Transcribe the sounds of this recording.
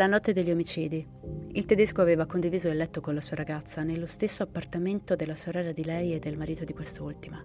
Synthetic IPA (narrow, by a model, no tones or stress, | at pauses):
lanɔt̪ːed̪elʎːiomit͡ʃiːd̪i | ilt̪ed̪eskoaveːvakond̪iviːzoelɛt̪ːokonlasuːaɾaɡat̪sːanelːost̪esːoapːart̪ament̪od̪elːasoɾɛlːad̪ilɛjed̪ːelmaɾiːt̪od̪ikwest̪ult̪ima